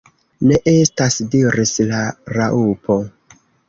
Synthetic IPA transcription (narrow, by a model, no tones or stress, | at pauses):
ne̞ʔestasdiɾislaɾaʔupo